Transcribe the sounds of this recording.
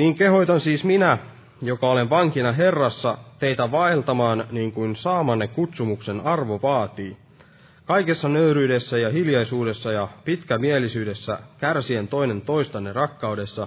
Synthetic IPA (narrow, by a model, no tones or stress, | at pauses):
niːŋke̞ɦo̞jt̪ɑnsiːsminæ | jokɑolenʋɑŋkinɑɦe̞rːɑsːɑt̪eit̪æʋɑelt̪ɑmɑːnniːŋkuinsɑːmɑnːekkut̪sumukse̞nɑrʋoʋɑːt̪iː | kɑjke̞sːɑnøyɾyːde̞sːæjɑɦiljɑjsuːde̞sːɑjɑpit̪kæmielisyːde̞sːæ̰kærsie̞nt̪o̞ine̞nt̪o̞jst̪ɑnːerɑkːɑwde̞sːɑ